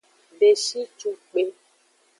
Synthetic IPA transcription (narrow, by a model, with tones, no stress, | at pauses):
ɖe˨ʃi˦t͡ʃu˦k͡pe˨